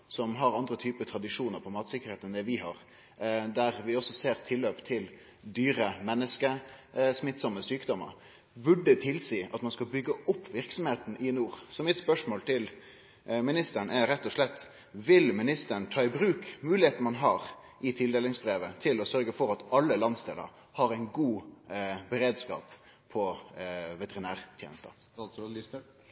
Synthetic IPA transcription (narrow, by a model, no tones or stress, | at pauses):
sɔmɦɑɾɑnd̪ɾət̪ʰyːpət̪ʰɾɑd̪ɪʂuːnəɾpʰɔmɑːt̪sɪkəɾheːt̪ɛnd̪ɛʋɪɦɑɾ | d̪æɾʋɪɔsɔseːɾt̪ʰɪlːøːpt̪ʰɪl | d̪yːɾəmɛnːəskəsmɪt̪sɔmːəsyːkd̪ɔmːə̰ɾ | bʉɖːət̪ʰɪlsiːʔɑ̰t̪mɑnskɑbʏɡːəʔʊpːʋɪɾksɔmheːt̪n̩ɪnuːɾsɔmɪt̪spœʂmoːlt̪ʰɪl | mɪnɪst̪əɳæɾɛt̪ːɔʂlɛt̪ː | ʋɪlmɪnɪst̪əɳt̪ʰɑːɪbɾʉːkmʉːlɪheːt̪n̩mɑnɦɑːɾ | ʔɪt̪ʰɪld̪eːlɪŋsbɾeːʋət̪ʰɪlɔsœɾɡəfɔɾɑt̪ɑlːəlɑnst̪ḛːlə̰ɾ | hɑɾæɪnɡuː | bɛɾeːd̪skɑ̰ːp | pʰɔ | ʋɛt̪əʁɪnæːɾt̪ʰjḛːnəst̪ə̰